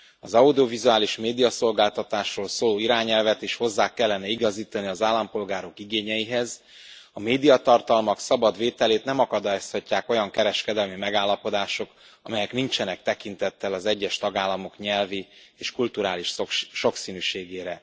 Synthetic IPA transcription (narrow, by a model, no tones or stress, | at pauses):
ɒzɒud̪io̞vizuaːliʃmeːd̪ijɒso̞lɡaːlt̪ɒt̪aːʃroːlsoːloːiɾaːɲɛlvɛt̪iʃho̞zːaːkɛlːɛnɛiɡɒziːt̪ɒniɒzaːlːɒmpo̞lɡaːɾo̞kiɡeːɲɛjiɦɛz | ɒmeːd̪ijɒt̪ɒrt̪ɒlmɒksɒbɒd̪veːt̪ɛleːt̪nɛmɒkɒd̪aːjoshɒcːaːko̞jɒŋkɛɾɛʃkɛd̪ɛlmimɛɡaːlːɒpo̞d̪aːʃo̞k | ɒmɛjɛknint͡ʃɛnɛk̚t̪ɛkint̪ɛt̪ːɛlɒzɛɟːɛʃt̪ɒɡaːlːɒmo̞kɲɛlvi | eːʃkult̪uɾaːliʃʃo̞ksinyːʃeːɡeːɾɛ